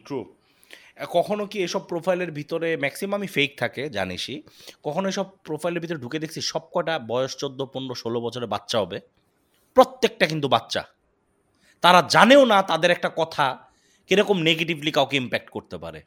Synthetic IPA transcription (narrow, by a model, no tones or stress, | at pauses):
ʈɾu | kɔkʰonokiejʃɔb̚pɾofʰajleɾbʱit̪oɾemɛksiomamifejk̚t̪ʰaked͡ʑa̰nḭʃikɔkʰonoejʃɔb̚pɾofʰajleɾbʱit̪oɾeɖuked̪ekʰt͡ɕʰiʃɔb̚kɔeʈabɔeoʃt͡ɕod̪ːoponːoʃolobɔt͡ɕʰoɾeba̰t̪ːɕaɦɔbe | pɾot̪ːek̚ʈakint̪ubatːɕa̰ | t̪aɾad͡ʑaneonat̪ad̪eɾɛk̚ʈakɔt̪ʰa | keɾɔkomneɡeʈiblikaokeimpɛk̚ʈkoɾt̪epa̰ɾḛ